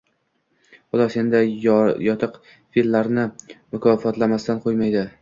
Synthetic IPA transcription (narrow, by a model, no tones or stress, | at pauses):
χʊd̪ɒsend̪ɪjɒt̪ʰɨq | filːaɾnɪmʊkʰɒfɒt̪lamast̪anqʰojmajd̪ɪ